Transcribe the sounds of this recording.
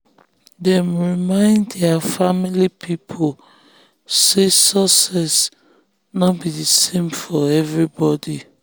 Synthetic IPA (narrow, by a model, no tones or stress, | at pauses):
dɛ̃mɹimãɪ̃ndɛafamilipʰipʰol | sesɔsɛs | nɔbidisẽmfɔɛvɹibɔdi